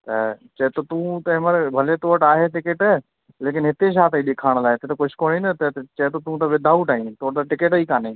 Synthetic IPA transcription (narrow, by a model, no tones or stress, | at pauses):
t̪ɐt͡ʃɐɦt̪ot̪ũt̪ɐɦɪməɾbʱɐlet̪oːʈaːɦeʈɪkeʈ | leːk̬ɪnɦɪt̪eʃ̬aːt̪ʰĩɗekʰaːɽ̃laːɦet̪et̪okʊd͡ʒʰkoːɽinət̪t͡ʃɐɦt̪ot̪ũt̪ɐʋɪd̪ʱaːuʈaːɦĩt̪oːʈ̚d̪aʈɪkeʈiːkaːne